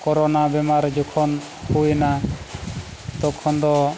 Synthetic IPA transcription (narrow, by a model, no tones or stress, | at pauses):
kɔɾɔnabɛmaɾd͡ʒɔkʰɔn | hujna | t̪ɔkʰɔnd̪ɔ